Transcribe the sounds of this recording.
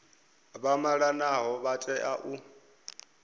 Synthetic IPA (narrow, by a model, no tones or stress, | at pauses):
βamaɺanaɦɔβatʼɛʔaʔu